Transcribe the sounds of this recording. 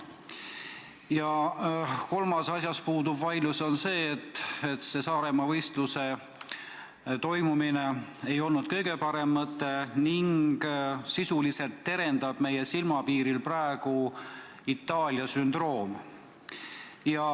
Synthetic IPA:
jɑ | ko̞lmɑsɑsjɑspuːd̪ubvɑjluso̞nse̞ːt̪ːˑet̪se̞sɑːɾe̞mɑvɤjst̪luse̞ | t̪o̞jmumine̞e̞jo̞lnud̪̥kɤ̞jɡ̥e̞pɑɾe̞mːɑt̪ːˑeniŋɡ̥sisulise̞lt̪ːe̞ɾe̞nd̪ɑb̥me̞jesilmɑpiːɾilprɑeɡ̥u | it̪ˑːɑːlʲjɑsynd̪̥ro̞ːm | jɑ

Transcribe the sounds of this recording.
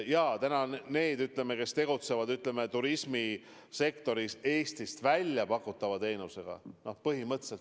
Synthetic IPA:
jɑːt̪ænɑne̞ːd̪yt̪ˑle̞me̞ke̞st̪e̞ɡ̥ut̪se̞vɑd̪yt̪ˑle̞me̞t̪uɾismi | se̞kt̪o̞ɾise̞ːst̪ist̪vælʲjɑpɑkːˑut̪ːˑɑvɑe̞ːnuse̞ɡ̥ɑ̰no̞hpɤɦimɤt̪ːse̞lt̪

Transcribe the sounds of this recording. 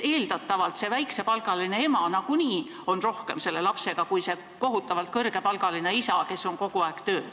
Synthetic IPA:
e̞ːld̪̥ɑt̪ːˑɑvɑlt̪se̞væjkse̞pɑlɡ̥ɑline̞e̞mɑnɑɡuniː | o̞nro̞hke̞mse̞lːe̞lɑpse̞ɡ̥ɑkujse̞ | ko̞ɦut̪ːˑɑvɑlt̪̚kɤrɡ̥e̞pɑlɡ̥ɑline̞isɑke̞sːo̞ŋko̞ɡ̥uɑeɡ̥t̪ø̞ː

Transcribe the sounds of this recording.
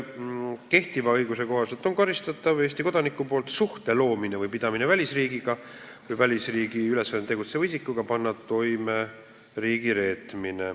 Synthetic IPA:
ke̞ht̪ivɑɤjɡuse̞ko̞ɦɑse̞lt̪ˑo̞nkɑɾist̪ɑt̪ːˑɑve̞ːst̪iko̞d̪̥ɑnikːˑupo̞ːlt̪suht̪e̞lo̞ːmine̞vɯjpid̪̥ɑminevælʲisriːɡiɡ̥ɑ | vɯjvælʲisriːɡ̥iyle̞sːɑnet̪e̞ɡut̪sevɑisikːˑuɡ̥ɑpɑnːɑt̪o̞jme̞ | riːɡiɾe̞ːt̪mine

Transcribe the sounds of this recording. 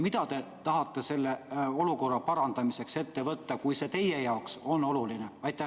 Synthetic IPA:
mit̪ɑt̪e̞t̪ɑɦɑt̪ːe̞se̞lːe̞o̞luko̞rːɑpɑɾɑnd̪̥ɑmise̞kse̞t̪ːe̞vɤt̪ːɑkujse̞ːt̪e̞jejɑokso̞nːo̞luline̞ɑjt̪ːˑæ

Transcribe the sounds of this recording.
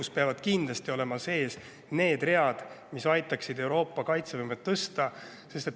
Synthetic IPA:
uspeɑvɑd̪̥kind̪lest̪io̞le̞mɑse̞ːs | ne̞ːd̪̥re̞ɑd̪̥ | misɑjt̪ːˑɑksid̪e̞uwɾo̞ːpːɑkɑjt̪sevɯmet̪ːɤst̪ɑ | se̞st̪e̞t̪

